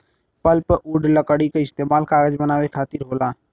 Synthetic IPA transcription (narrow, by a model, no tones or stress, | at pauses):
pəlpʔuːɖləkəɽikeɪst̪eːmaːlkaːɡəd͡ʒbənaːwekʰaːt̪iɾɦoːlaː